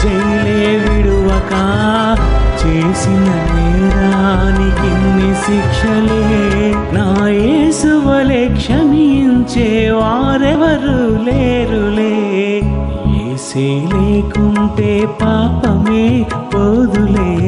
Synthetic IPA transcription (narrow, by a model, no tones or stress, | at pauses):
t͡ʃejɐleːʋiɽuʋɐkaː | t͡ʃeːsinɐmeːɾɐnit̪inːisikʂɐleːnaːjeːsuʋɐlekʂɐmiɲt͡ʃeːʋaːɾeʋɐɾuleːɾuleː | jeːseːleːkuɳʈeːpaːpɐmeːpoːd̪uleː